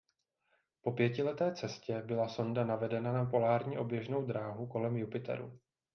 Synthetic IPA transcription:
po̞pjɛcɪlɛt̪ɛːt͡sɛscɛbɪlaso̞ndanavɛdɛnanapo̞laːɾɲiʔo̞bjɛʒno̞wd̪ɾaːɦuko̞lɛmjupɪt̪ɛ̰ɾṵ

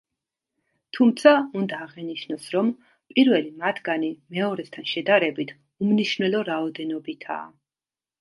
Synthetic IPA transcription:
t̪ʰumt̪sʰaund̪aːʁɛniʃnɔsɾɔm | pʼiɾvɛlimat̪ʰɡanimɛɔɾɛst̪ʰanʃɛd̪aɾɛbit̪ʰ | umniʃnɛlˠɔɾaɔd̪ɛnɔbit̪ʰa̰ː

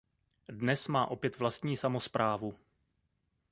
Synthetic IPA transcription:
dnɛsmaːʔo̞pjɛt̪vlast̪ɲiːsamo̞spɾʔaːvu

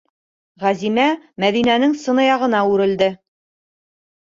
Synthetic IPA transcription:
ʁæzimæmæðinænɘŋsɤ̆nɤ̆jɑʁɤ̆nɑʉɾɘ̆ld̪ɘ

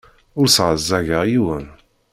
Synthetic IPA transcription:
ʊɾsʁəzːæʝəʁjiwən

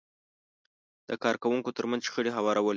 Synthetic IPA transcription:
d̪̥əkɑɾkawuŋkot̪əɾmanzʃxəɽeɦawɑɾawəl

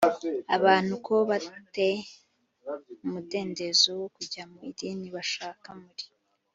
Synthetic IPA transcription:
aβaːn̥hukʰo̞βate̞ | umude̞ːnde̞zowokuɟamuiɾiniβaʃaːkamuɾi̥

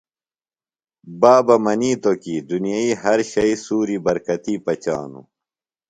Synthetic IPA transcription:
baːbɐmɐniːt̪okid̪unijaiɦɐɾɕɐisuːɾibɐɾkɐt̪iːpɐt͡ɕa̰ːnṵ

